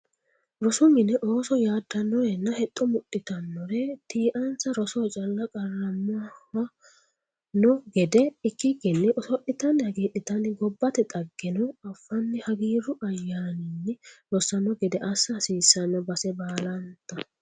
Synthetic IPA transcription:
ɾɔsʊmɪnɛʔoːsɔjaːd̪ːɐnːɔjɛnːɐhɛt̪ʼːɔmʊʔɪt̪ɐnːɔɾɛt̪iːʔɐnt͡sːɐɾɔsɔt͡ʃʼɐlːɐkʼɐrːɐmːawɐ | nɔɡɛd̪ɛɪkːɪɡɛnːɪʔɔsɔʔɪt̪ɐnhɐɡiːʔɪt̪ɐnɪɡɔbːɐt̪ɛt̪ʼɐɡːɛnɔɐfːɐnːɪhɐɡiːɾʊʔɐjːaːnɪnːɪɾɔsɐnɔɡɛd̪ɛʔɐsːɐhsiːsːɐnːɔbɐsɛbaːlɐnt̪ːɐ

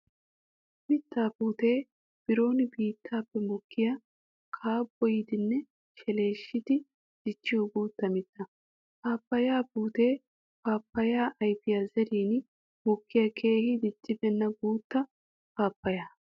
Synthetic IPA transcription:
mɪt̪ːaːbuːt̪eː | b̥ɪɾo̞ːnɪbiːt̪ʰːaːpːɛmɔkʰːɪjɐ | kʰaːbːɔjɪd̪ɪnːɛ | ʃɛle̞ːʃːɪd̪ɪ | d̪̥ɪt͡ʃːɪjoɡoːt̪ːɐmɪt̪ːɐ | paːpːɐjaːpuːt̪e̞ː | paːpːɐjaːʔɐjbɪjazɛɾiːn | mɔkːɪjɐkʰe̞ːhɪd̪ɪt͡ʃʼːɪbɛnːɐɡuːt̪ːɐ | paːpːɐjaː

